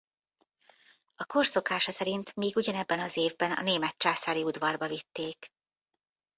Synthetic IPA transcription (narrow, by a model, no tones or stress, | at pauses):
ɒko̞rso̞kaːʃɒsɛɾint̪miːɡuɟɒnɛbːɛnɒzeːvbɛnɒ̰neːmɛt̪̚t͡ʃaːsaːliud̪vɒrbɒvit̪ːeːk